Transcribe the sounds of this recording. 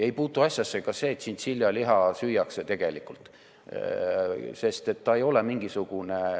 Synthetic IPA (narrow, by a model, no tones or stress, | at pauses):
ejpuːt̪ːˑuɑsʲjɑsːekɑse̞ːt̪sint̪silʲjɑliɦɑsyjːɑkset̪e̞ɡ̥e̞likːˑult̪ | se̞st̪e̞t̪ːɑe̞jo̞lemiŋɡ̥isuɡ̥une